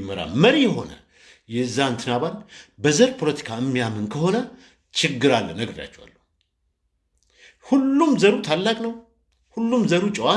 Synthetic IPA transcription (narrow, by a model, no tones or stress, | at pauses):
məɾa̰lməɾijɛɦo̞̰nə̰ | jɛɨzːant̪ʰɨnaβanbəzəɾpʰo̞lət̪ʰi̥kʰaɨmːijamɨnkʰəho̞nə | t͡ʃʰɪɡːɨɾalːə̰nːəɡəɾja̰t͡ʃːɛwa̰lːə | hulːumzəɾut̪ʰalːakʼnəw | hulːumzəɾut͡ʃʼɪwa